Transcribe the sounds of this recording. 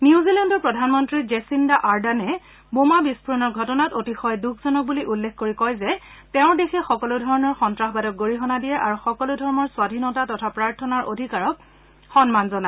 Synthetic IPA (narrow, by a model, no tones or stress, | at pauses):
niuzilɛndɔpɹɔdʱanmɔntɹizesindaʔaɹdanɛ | bomabispʰuɹɔnɔɹɡʱɔtɔnatotixɔjdukʰzɔnɔk̚buliʔulːekʰkoɹikɔjzɛtɛʊ̃dexʰɛxɔkɔludʱɔɹɔnɔɹxɔntɹaxbadɔk̚ɡoɹiɦɔnadijɛʔaɹuxɔkɔludʱɔɹɔnɔɹswadʱinɔtatɔtʰapɹaɹtʰɔnaɹʔodʱikaɹɔk̚ | xɔnmanzɔna